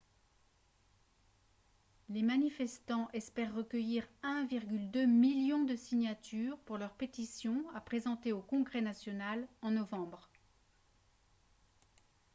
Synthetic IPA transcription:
lemanifɛst̪ɑ̃ʔɛspɛʁːəkʲəjiʁɛ̃viʁɡʲyld̪ømiljɔ̃d̪əsiɲat̪yʁpuʁlœʁpet̪isjɔ̃apχezɑ̃t̪eokɔ̃ɡʁɛnasjɔnalɑ̃nɔvɑ̃bʁ

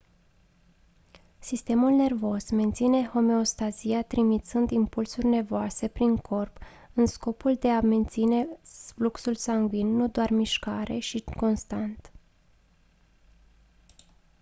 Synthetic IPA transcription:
sist̪e̞mulne̞rvo̞sme̞nt̪sine̞ho̞me̞o̞st̪aziat̪ɾimit̪sɨnd̪impulsurʲne̞voase̞pɾiŋkʰo̞rp | ɨnsko̞puld̪e̞ame̞nt̪sine̞fluksulsaŋɡvinːud̪oarmiʃkaɾe̞̰ʃiko̞nst̪ant̪

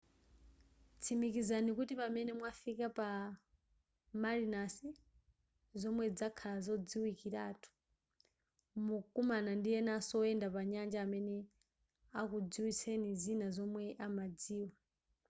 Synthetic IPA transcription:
t͡sʰimikizanikutipamɛnɛmwafikapa | malinasi | zɔmwɛd͡zakʰalazɔd͡ziwikiɾaːtʰu̥ | mukumanandijɛnasɔɛndapaɲand͡ʒaːmɛnɛ | akud͡ziwisʰenizinazɔmwɛʔamad͡ziːwa

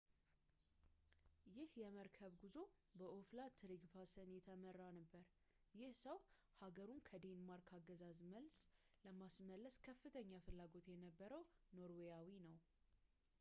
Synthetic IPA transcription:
jɪhjɛməɾkʰəβɡuzo̞bəʔoflat̪ʰɨɾiɡfasənjɛt̪ʰəmərːanəbːəɾ | jɪhsəw | haɡəɾunkʰəd̪enmaɾkʰaɡəzazməlsləmasməlːəskʰəfːɨt̪ʰəɲːafɨlːaɡo̞t̪jɛnəbːəɾəwno̞ɾwejawinəw

